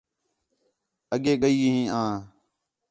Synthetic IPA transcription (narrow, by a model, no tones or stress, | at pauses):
əɠeːɠəiːɦĩːãː